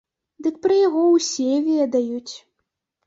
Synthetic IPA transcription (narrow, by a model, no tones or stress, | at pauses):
d̪ɨk̚pɾɐjaɣɔwsʲɛvʲeɛd̪ajut͡sʲ